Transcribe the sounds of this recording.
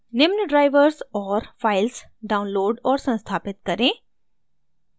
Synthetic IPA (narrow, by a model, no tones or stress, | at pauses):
nɪmnəɖɾaːɪʋəɾsɔːɾfaːɪlsɖaːʊnloːɖɔːɾsɐ̃nst̪ʰaːpɪt̪̚kɐɾẽː